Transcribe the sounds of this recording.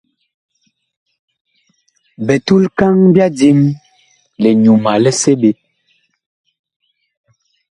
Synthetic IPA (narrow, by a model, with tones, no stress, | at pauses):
bɛ˨tu˦lka˦ŋbja˦di˦m | lɛ˨ɲu˨ma˨lɛ˦se˦be˨˦